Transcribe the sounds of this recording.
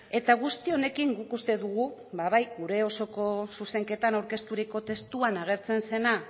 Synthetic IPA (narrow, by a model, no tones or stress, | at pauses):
e̞t̪aɣ̞ust̪io̞ne̞kiŋɡukust̪e̞ðuɣ̞ubaβajɣuɾe̞o̞so̞ko̞suse̞ŋke̞t̪anawɾke̞st̪uɾiko̞t̪e̞st̪uanaɣ̞e̞ɾt͡se̞nse̞na